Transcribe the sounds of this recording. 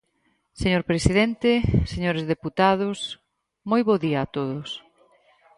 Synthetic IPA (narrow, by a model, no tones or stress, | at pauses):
seɲoɾpɾesiðent̪eseɲoɾezðeput̪að̞ʊs | mojβoðiaːt̪oðʊs